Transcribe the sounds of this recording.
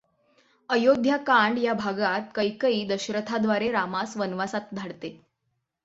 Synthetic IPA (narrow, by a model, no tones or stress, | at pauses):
əjod̪ʱjakaɳɖjabʱaɡat̪̚kəjkəiːd̪əɕɾət̪ʰad̪ʋaɾeɾamasʋənʋasat̪̚d̪ʱaɽt̪e